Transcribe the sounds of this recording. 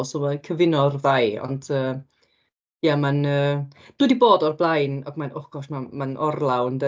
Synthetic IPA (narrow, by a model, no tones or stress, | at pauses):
lˠsɔmɛkʰəvɪnɔrvajɔ̰nd̥əː | jamanəːd̥uːdiboːdɔrblˠajnɔɡmanɔχɡ̥ɔsmamanʔɔrlˠawndə